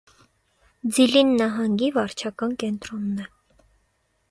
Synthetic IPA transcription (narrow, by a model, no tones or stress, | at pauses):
d͡zilinːɑɦɑŋɡivɑɾt͡ʃʰɑkɑnkɛnt̪ɾɔnːɛ